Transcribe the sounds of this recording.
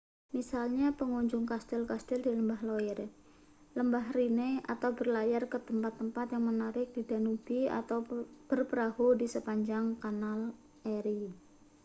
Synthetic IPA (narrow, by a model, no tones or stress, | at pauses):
misalɲapəŋɔɲd͡ʒʊŋkast̪ɛlkast̪ɛldiləmbahlojɛr | ləmbahrinea̰t̪awbərlajarkət̪əmpat̪ːəmpat̪jaŋmənaɾɪk̚d̥id̥anub̥ia̰t̪awb̥ərpɾahodisəpaɲd͡ʒaŋkanal | eɾi